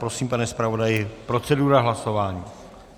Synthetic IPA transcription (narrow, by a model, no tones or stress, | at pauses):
pɾo̞siːmpanɛspɾavo̞dajɪpɾo̞t͡sɛduɾaɦlaso̞vaːɲiː